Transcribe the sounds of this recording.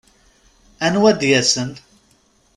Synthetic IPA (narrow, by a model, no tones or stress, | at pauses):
ænwæd̪jæsən